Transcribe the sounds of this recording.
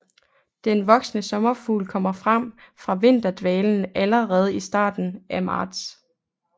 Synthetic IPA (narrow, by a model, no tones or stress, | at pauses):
d̥enʋɒ̽ɡ̥snəsɒ̽mɐfuːlkʰɒ̽m̰ɐfʁam̰fʁɑ̈ʋe̝n̰d̥ɐd̥ʋɛːln̩æləʁɛːð̞̩ˠisd̥ɑ̰̈ːd̥n̩ʔæmɑ̰̈ːd̥s